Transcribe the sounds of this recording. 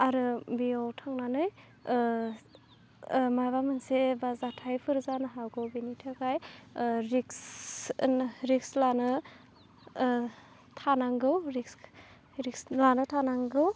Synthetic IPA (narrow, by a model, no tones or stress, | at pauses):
aɾɯbiawtʰaŋnanɯj | majbamɯnsebazatʰajpʰɯɾzanɯɦawɡɯwbinitʰakajɾiks | ɾikslanɯ | tʰanaŋɡɯwɾiks | ɾik̚slanɯtʰanaŋɡɯw